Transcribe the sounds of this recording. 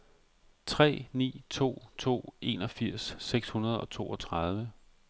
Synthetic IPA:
t͡sʰʁɛ̰ːnḭːt͡sʰo̝̰ːt͡sʰo̝̰ːe̝nɒ̽fiɐ̰sːeɡ̥shunɐð̞ˠɒ̽t͡sʰo̝̰ːɒ̽t͡sʰʁað̞ˠʋə

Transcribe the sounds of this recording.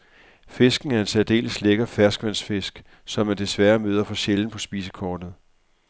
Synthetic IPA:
fe̝sɡ̥n̩æɐe̝nsɛɐd̥e̝̰ːləsleɡ̥ɐfæɐsɡ̥ʋæn̰sfe̝sɡ̥ | sɒ̽mːænd̥e̝sʋæːɐmøːð̞ˠɐfɒ̽ɕeln̩pʰɒ̽sb̥iːsə̥kʰɒːd̥ð̞̩ˠ

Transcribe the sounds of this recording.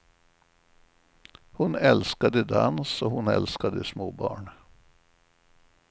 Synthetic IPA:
hʊnɛlskad̪əd̪ansɔɦʊnɛ̰lskad̪əsmoːbɑ̰ːɳ

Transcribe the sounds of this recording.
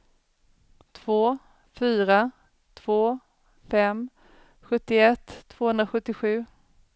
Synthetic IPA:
t̪ʰvoː | fyːɾa | t̪ʰv̥oː | fɛm | ɧɵt̪ːɪɛt̪ʰːv̥oːhɵnd̪ɾaɧɵt̪ːɪɧʉ̟ː

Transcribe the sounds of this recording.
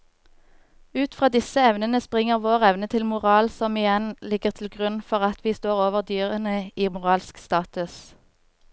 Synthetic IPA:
ʉːt̪fʁɑːd̪ɪsəɛʋnənəspʁɪŋəʁʋoːʁɛʋnət̪ʰɪlmʊʁɑːlsɔmɪjɛnlɪɡəʁt̪ʰl̩ɡʁʉnfɔʁɑt̪ʰʋiːst̪oːʁoːʋəʁd̪yːʁənəiːmʊʁɑːlskst̪ɑːt̪ʉs

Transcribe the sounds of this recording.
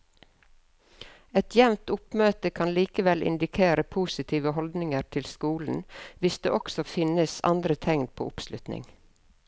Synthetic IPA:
ɛt̪ʰjɛʋnt̪ʊpmøːt̪əkʰɑnliːkəʋɛlʔɪ̰nd̪ɪkʰeːɾəpʰuːsɪt̪ʰiːʋəɦɔld̪nɪŋəɾt̪ʰɪlskuːln̩ʋɪsd̪ḛːʔɔksɔfɪnəsɑ̰nd̪ɾət̪ʰɛŋnpʰo̰ːʊpslʉt̪nɪ̰ŋ

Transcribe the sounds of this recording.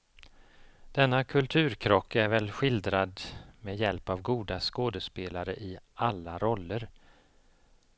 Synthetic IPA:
d̪̥ɛnːakʰɵlt̪ʰʉ̟ːɾkʰɾɔkʰːæɾvɛlɧɪld̪ɾad̪meːjɛlpavɡuːd̪askoːd̪əspeːlaɾəʔɪalːaɾɔlːəɾ

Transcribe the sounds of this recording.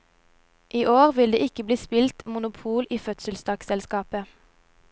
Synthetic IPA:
ʔiːʔoːʁʋɪld̪eːɪkəbliːspɪlt̪mʊnʊpʰuːlʔiːfœt̪səlsd̪ɑːksɛlskɑːpə

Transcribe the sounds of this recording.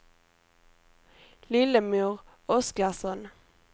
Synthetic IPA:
lɪləmʉːʁ | ɔsk̪ɑʁsɔn

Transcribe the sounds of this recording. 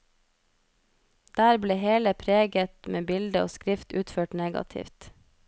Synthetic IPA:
d̪̥æːɾbleːheːləpʰɾeːɡət̪mʔeːbɪld̪əo̰ːskɾɪft̪ʉːt̪føːʈneːɡɑ̰t̪ʰɪ̰ft̪

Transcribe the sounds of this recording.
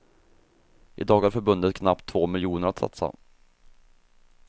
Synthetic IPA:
ʔɪd̪ɑːɡaɾfœɾbɵnd̪ət̪̚kʰnap̚t̪ʰːv̥oːmɪljuːnəɾat̪sa̰t̪sa̰

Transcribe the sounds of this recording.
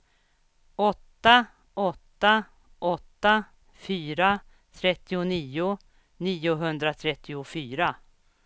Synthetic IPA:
ɔt̪ːa | ɔt̪ːa | ʔɔt̪ːa | fyːɾa | t̪ʰɾɛt̪ːɪʊniːʊ | niːʊɦɵnd̪ɾat̪ʰɾɛt̪ːɪʊfyːɾa

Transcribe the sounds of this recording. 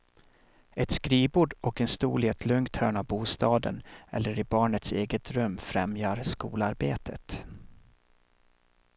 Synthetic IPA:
ɛt̪skɾiːbuːɖɔkɛnst̪ṵːlɛt̪ʰlɵŋkt̪hœːɳavbuːst̪ɑːd̪ə̰nɛ̰lːəɾɪbɑːɳət̪seːɡət̪ɾɵmːfɾɛ̰mjaɾskṵːlaɾbeːt̪ʰət̪

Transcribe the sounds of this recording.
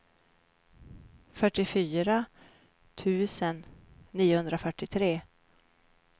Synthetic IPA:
fœʈːɪfyːɾa | t̪ʰʉ̟ːsənː | iːʊhɵnd̪ɾafœʈːɪt̪ʰɾeː

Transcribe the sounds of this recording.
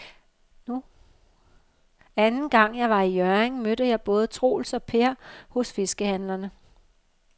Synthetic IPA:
nu | ænn̩ɡ̥ɑ̈ŋ̰jɑ̈ɪʋɑ̈ijœɐeŋmødəjɑ̈ɪb̥ɔ̽ːð̞̩ˠət͡sʰʁo̝̰ːlsɒ̽pʰe̝ɐ̰hɔ̽sfe̝sɡ̥əhænlɐnə

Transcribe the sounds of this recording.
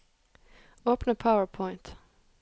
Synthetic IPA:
oʊpn̩əpʰaʊəɹpʰɔ̃ɪ̃nt̪

